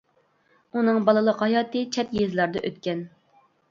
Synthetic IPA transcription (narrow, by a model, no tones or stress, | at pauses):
unɨŋbɑlˠɨlˠəqhɑjɑːt̪ɨt͡ʃʰɛt̪jezlˠɑɾd̪ɑ̰ʔøt̪kʲɛn